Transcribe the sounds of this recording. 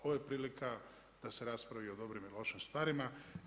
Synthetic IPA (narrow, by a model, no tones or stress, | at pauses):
oʋojepɾiːlika | d̪̥ase̞ɾaspɾaʋio̞d̪o̞bɾimilˠo̞ʃimst̪ʋaːɾima